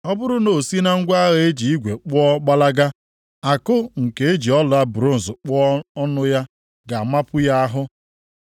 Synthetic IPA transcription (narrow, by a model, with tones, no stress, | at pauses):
ɔ˦bʊ˦ɾʊ˦no˨si˦na˦ŋ̩˦ɡʷa˦ɣe˨e˦d͡ʒi˨i˦ɡʷe˨k͡pʊ˦ɔ˦k͡pa˦la˦ɡa˦ | a˨kʊ˦ŋ̩˨ke˨e˦d͡ʒi˨ɔ˦la˦bɾo˦n̩˨zʊ˨k͡pɔ˦ɔ˦nʊ˦ja˦ | ɡa˨˦ma˦pʊ˦ja˦a˦ɦʊ˦